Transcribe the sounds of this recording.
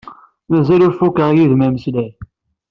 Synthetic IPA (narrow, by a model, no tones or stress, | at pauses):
mæzælʊɾfukəʁjiðmæməslæ